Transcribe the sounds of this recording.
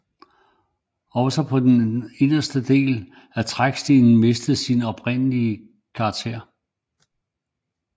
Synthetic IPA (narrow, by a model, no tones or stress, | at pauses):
ɒ̽ʊsɒpʰɒ̽d̥ene̝nɐsd̥əd̥e̝̰ːl | æt͡sʰʁaɡ̥sd̥iːnn̩me̝sd̥ð̩ˠsinɒ̽b̥ʰʁen̰əliə | kʰɑ̥̈ːt͡sʰe̝̰ɐ̰